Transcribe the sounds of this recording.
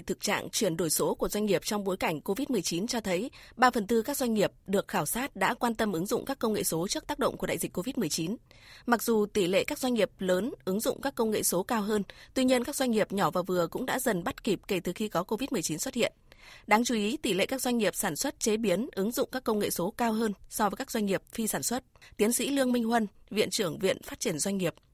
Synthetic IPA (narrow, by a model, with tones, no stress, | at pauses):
t̪ʰɨ˨˩k̚t͡ɕa̰ː˧˨ŋt͡ɕwi˧˩ənɗo˧˩jso˨˦ku˧˩əzwa˧ŋ̟ŋi˨˩əp̚t͡ɕɔ˧wŋ͡mɓo˨˦jka˧˩jŋ̟ko˧vi˦˥t̚mɨ˨˩əjt͡ɕi˨˦nt͡ɕɔ˧t̪ʰə˨˦jɓaː˧fə˨˩nt̪ɨ˧kaː˦˥k̚zwa˧ŋ̟ŋi˨˩əp̚ɗɨ˨˩ək̚xaː˧˩wsaː˦˥t̚ɗa̰ː˧˥kwaː˧nt̪ə˧mʔɨ˨˦ŋzʊ̰˧˨ŋ͡mkaː˦˥kːə˧wŋḛ˧˨so˨˦t͡ɕɨ˦˥ək̚t̪aː˦˥k̚ɗə̰˧˨wŋ͡mku˧˩ɗa̰ː˧˨jzi˨˩ko˧vi˦˥t̚mɨ˨˩əjt͡ɕi˨˦n | ma˨˩k̚zu˨˩t̪i˧˩lḛ˧˨kaː˦˥k̚zwa˧jŋ̟ŋi˨˩əp̚ləː˨˦nʔɨ˨˦ŋzʊ̰˧˨ŋ͡mkaː˦˥kːə˧wŋ͡mŋḛ˧˨so˨˦kaː˧wɦəː˧nt̪wi˧ɲi˧ənkaː˦˥kza˧jŋŋi˨˩əp̚ɲɔ˧˩vaː˨˩vɨ˨˩əkʊ̰˧˥ŋ͡mɗa̰ː˧˥zə˨˩nɓa˦˥t̚ki˨˩p̚ke˧˩t̪ɨ˨˩xi˧kɔ˨˦ko˧vi˦˥t̚mɨ˨˩ət͡ɕi˨˦nswə˦˥t̚hḭ˧˨ənɗaː˨˦ŋt͡ɕu˨˦ʔi˨˦t̪i˧˩lḛ˧˨kaː˦˥k̚zwa˧jŋ̟ŋi˨˩əp̚saː˧˩nswə˦˥t̚t͡ɕe˨˦ɓi˨˦ənʔɨ˨˦ŋzʊ̰˧˨ŋ͡mkaː˦˥kːə˧wŋḛ˧˨so˨˦kaː˧wɦəː˧nsɔ˧vəː˨˦kaː˦˥k̚zwa˧jŋ̟ŋi˨˩əp̚fi˧saː˧˩nswə˦˥t̚t̪i˨˦ənsḭ˧˥lɨ˧əŋmï˧ŋ̟hwə˧nvḭ˧˨ənt͡ɕɨ˧˩əŋvḭ˧˨ənfaː˦˥t̚t͡ɕi˧˩ənzwa˧jŋ̟ŋi˨˩əp̚